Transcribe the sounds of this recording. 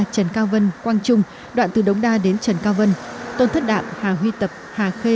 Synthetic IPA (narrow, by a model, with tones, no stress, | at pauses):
t͡ɕə˨˩nkaː˧wvə˧nkwaː˧nt͡ɕʊ˧ŋ͡m | ɗwa̰ː˧˨nt̪ɨ˨˩ɗə˨˦wŋ͡mɗaː˧ɗe˨˦nt͡ɕə˨˩nkaː˧wvə˧nt̪o˧nt̪ʰə˦˥t̚ɗa̰ː˧˨mhaː˨˩ɦwi˧t̪ə˨˩p̚haː˨˩xe˧